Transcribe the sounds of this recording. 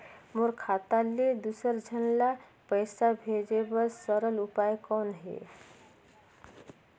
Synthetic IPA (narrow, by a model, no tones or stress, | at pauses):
moɾkʰat̪aled̪usəɾd͡ʒʱənla | pəjsabʱed͡ʒebəɾsəɾəlupajkɔnɦḛ